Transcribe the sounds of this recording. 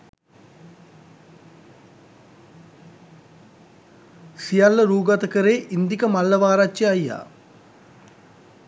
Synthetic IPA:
sijalːɐɾuːɡɐt̪ɐkəɾeːʔind̪ikɐmalːɐʋaːɾat͡ʃːjɐɐjːa̰ː

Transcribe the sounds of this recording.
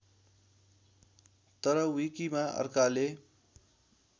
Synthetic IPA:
t̪ʌɾʌwikimaʌ̰rkale

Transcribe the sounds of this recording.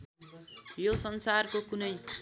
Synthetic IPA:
josʌnsarkokunʌj

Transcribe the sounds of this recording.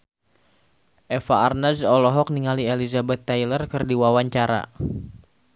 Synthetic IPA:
ʔɛfaːrnazɔlɔɦɔk̚niŋalielizabɛt̪ːajlərkərdiwawaɲt͡ʃaɾa̰

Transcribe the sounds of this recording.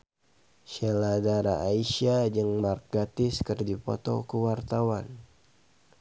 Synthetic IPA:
ʃɛladaɾa̰ːiʃad͡ʒɨŋmarkat̪ɪskərdipɔ̰t̪ɔ̰kuwart̪awan

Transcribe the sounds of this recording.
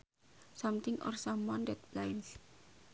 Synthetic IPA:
sɔmt̪ɪŋɔ̰rsamwɔndɛt̪̚lajns

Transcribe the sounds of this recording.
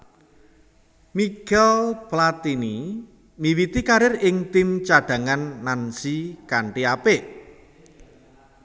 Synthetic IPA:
mikɛlplat̪ini | miwit̪ikaɾɪrɪŋt̪imt͡ʃaɖ̥a̤ŋanːansikaɳʈiapeʔ

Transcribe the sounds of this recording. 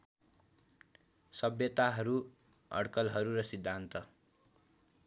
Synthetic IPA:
sʌbjʌt̪aɦʌɾu | ʌ̰ɽkʌlɦʌɾuɾʌsid̪ʱːant̪ʌ

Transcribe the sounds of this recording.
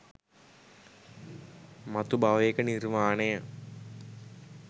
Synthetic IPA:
mɐt̪ubaʋekənirmaːnejə

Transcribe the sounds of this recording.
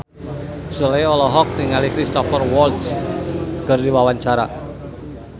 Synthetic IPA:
sulejɔlɔɦɔk̚niŋalikɾist̪ɔfɔrwɔlt̪s | kərd̪iwawaɲt͡ʃaɾa

